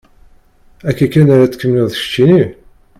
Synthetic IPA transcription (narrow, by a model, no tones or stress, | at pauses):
ækːækːænaɾat͡sːə̥kːəmːnuðəçə̥t͡ʃːini